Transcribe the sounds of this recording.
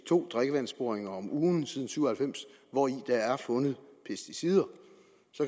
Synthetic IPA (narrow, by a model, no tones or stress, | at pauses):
t͡sʰo̝̰ːd̥ʁaɡ̥əʋæn̰sb̥o̝ɐeŋɐɒ̽muːn̩siːð̞ˠn̩syʊ̰ɐhælfem̰sʋɒid̥ɑ̈æɐfɔ̽nəð̞̩ˠpʰesd̥isiðˠɐ | sɒ̽k